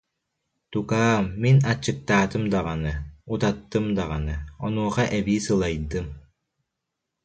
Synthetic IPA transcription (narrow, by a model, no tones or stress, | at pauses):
t̪ukaːmːinat͡ɕːɯk̚t̪aːt̪ɯmd̪aʁanɯut̪at̪ːɯmd̪aʁa̰nɯɔnuːʁaʔɛbiːsɯlˠajd̪ɯm